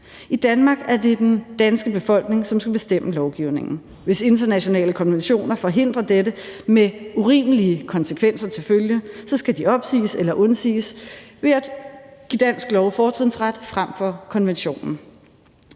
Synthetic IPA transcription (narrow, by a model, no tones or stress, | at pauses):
id̥ænmɑ̈ːɡ̥æɐde̝d̥end̥ænsɡ̥əb̥e̝fɒ̽l̰ɡ̥ne̝ŋsɒ̽msɡ̥æb̥e̝sd̥em̰əlɒʊɡ̥iʊne̝ŋn̩ | ʋe̝se̝nd̥ɐnæɕo̝nɛ̰ːləkʰɒ̽nʋenɕo̝̰ːnɐfɒ̽ɦe̝n̰d̥ʁɐd̥edəmeuʁḭːməliəkʰɒ̽nsəkʰʋen̰sɐt͡sʰe̝lføljəsɒ̽sɡ̥æd̥iɒ̽b̥sḭːselɐʔɔ̽nsḭːsʋed̥ɡ̥id̥æn̰sɡ̥lɒʊfɒːt͡sʰʁiðn̩sʁad̥fʁam̰fɒ̽kʰɒ̽nʋenɕo̝̰ːnn̩